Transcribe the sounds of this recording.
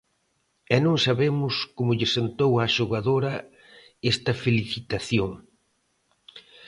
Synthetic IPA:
ɛnõŋsaβemʊskomʊʎɪsent̪owaʃoɣaðoɾɐ | ɛst̪ɐfeliθit̪aθjoŋ

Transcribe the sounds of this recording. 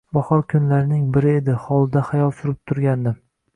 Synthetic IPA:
bɒhɒɾkʰʊnlaɾɪnɪŋbɪɾɪed̪ɪhɒlˠɪd̪ahajɒlˠsʊɾɪp̚t̪ʰʊɾɡʲand̪ɪ

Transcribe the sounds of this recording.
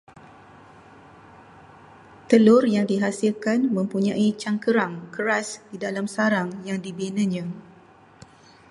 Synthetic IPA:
t̪əlʊrjaŋdiɦasilkanmə̃mpuɲãʔit͡ʃaŋkəɾaŋkəɾasdidalamsaɾaŋjaŋdibenə̃ɲã

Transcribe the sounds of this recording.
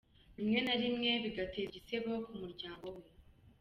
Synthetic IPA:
βimŋe̞naɾimŋe̞βiɡate̞ːβɟiseβokumuɾɟaːŋɡo̞we

